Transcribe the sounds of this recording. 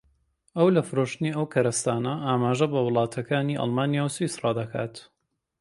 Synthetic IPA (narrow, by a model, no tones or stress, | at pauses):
ʔɐwlɐfɨɾoʃt̪ɨniːɐwkʰɐɾɐst̪aːnɐʔaːmaːʒɐbɐwʊlˠɑːt̪ʰɐkaːniːʔɑ̰lˠmaːnijaːwsusrɑːd̪ɐkʰa̰ːt̪